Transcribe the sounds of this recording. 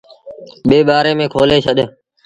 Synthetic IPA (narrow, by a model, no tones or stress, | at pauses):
ɓeːɓaːɾeːmẽːkʰoːleːt͡ʃʰəɗ